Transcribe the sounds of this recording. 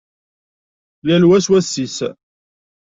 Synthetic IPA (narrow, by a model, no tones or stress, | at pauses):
lælwæswæsːis